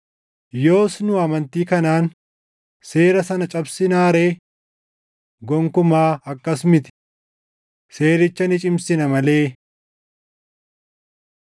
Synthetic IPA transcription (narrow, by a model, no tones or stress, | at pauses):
jo̞ːsnʊɐmɐnt̪iːkɐnaːn | se̞ːɾɐsɐnɐt͡ʃʼɐbsɪnaːɾe̞ː | ɡɔŋkʊmaːɐkːɐsmɪt̪ɪ̥ | se̞ːɾɪt͡ʃːɐnɪt͡ʃʼɪmsɪnɐmɐle̞ː